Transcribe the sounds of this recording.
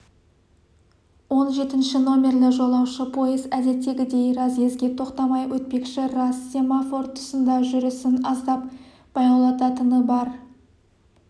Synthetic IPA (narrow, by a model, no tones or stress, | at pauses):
wo̞nʒe̞t̪ɪnʃɪno̞mʲe̞rlɪʒo̞lˠɑwʃəpʰo̞jəzæd̪e̞t̪ːe̞ɡʲɪd̪e̞jɾɑzɡʲe̞zɡʲe̞t̪ʰo̞qt̪ɑmɑjwʔɵt̪̚pe̞kʃɪrɑsːemafo̞rt̪ʰʊ̥sənd̪ɑʒʏɾɪsɪnɑzd̪ɑp̚ | b̥ɑjɑlˠɑt̪ɑt̪ənəbɑɾ